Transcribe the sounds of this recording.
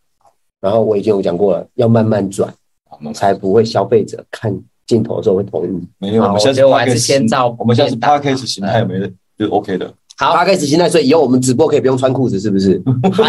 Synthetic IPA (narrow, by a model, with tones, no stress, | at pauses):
ɻa˧˥nxo˥˩ʊwɔ˨˩i˨˩i˦ŋjo˧˩t͡ɕjɑ˨˩ŋkwɔ˥˨lə̰˩jɑ˥˧ʊma˥˧nma˥˨nt͡swa̰˨˦n | t͡sʰa˧˦ɪpu˧˦xwe˥˩ɪɕjɑ˦ʊfe˥˩ɪʈ͡ʂɤ̰˨˩˦kʰa˥˨n | t͡ɕi˥˩nt̪ʰo̰˨˥ʊ˧so˥˧we˥˩t̪ʰo̰˧˦ŋy˥˩me˧˥jo˨wa˥˧˥o˥˨la˧˦˥t͡ɕʰjɛ˥nt͡sɑ˥˧˦ʊ˨ɕjã˥˧˥t̪ʰa˦˥kʰa˥ɪʂ̩˨˩ɕi˦nt̪ʰa˥˩jo˨˩me˧˥ɪ˧ | o˥˩˥o˦ʊkʰe˥ɪd̪ə̰˨ha˨˦ʊpʰa˦˥kʰa˥ɪʂ̬̩˨˩ɕ̬i˥nt̪a˥˩ɪwɔ˥i˨i˨ho˥˩wɔ˨mə˦nt͡sɻ̩˨˩pu˥kʰɤ˥˨pjŋ˨t͡sʰwa˥nkʰu˥˩d͡z̩˨˩ʂɻ̩˥˩bu˩ʂ̬ɻ̩˥˩˦